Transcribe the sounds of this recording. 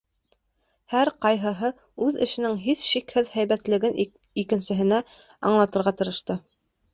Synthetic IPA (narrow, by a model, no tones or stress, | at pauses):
hæɾqɑjɦɤ̆ɦɤ | ʉðɘ̆ʃɘ̆nɘŋɦiθʃikhɘðhæjβæt̪lɘ̆ɡɘn | ikɘ̆nsɘ̆ɦɘ̆næ | ɑ̰ɴlˠɑt̪ɤ̆ɾʁɑt̪ɤ̆ɾɤ̆ʃt̪ɤ